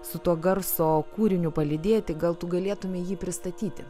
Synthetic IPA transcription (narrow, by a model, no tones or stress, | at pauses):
sʊt̪uɔɡɐɾsoːkuːɾʲɪnʲʊpɐlʲɪd̪ʲeːjt̪ʲɪɡɐlˠt̪ʊɡɐlʲeɛt̪ʊmʲeːjiːpʲɾʲɪst̪ɐt̪ʲiːt̪ʲɪ